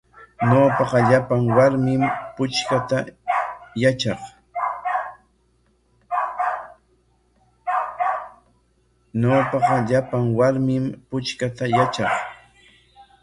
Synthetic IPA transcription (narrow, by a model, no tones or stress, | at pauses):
ɲopɑqɑʎapaŋwaɾmɪmpʊt͡ʃkat̪a | jat͡ʃɑχ | ɲoːpɑqɑʎapaŋwaɾmɪmpʊt͡ʃkat̪ajat͡ʃɑχ